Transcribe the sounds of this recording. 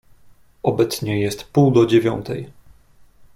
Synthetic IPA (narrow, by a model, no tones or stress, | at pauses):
ɔbɛt̪sɲɛjɛst̪puwd̪ɔd͡ʑevʲjɔ̰nt̪ʰɛ̰j